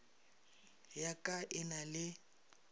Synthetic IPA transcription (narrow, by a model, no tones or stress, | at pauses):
jakʼaʔɪnalɪ